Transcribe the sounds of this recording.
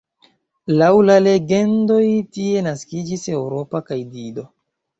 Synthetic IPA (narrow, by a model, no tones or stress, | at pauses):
lawlale̞ɡe̞ndo̞jtie̞naskid͡ʒise̞wɾo̞pakajdido̞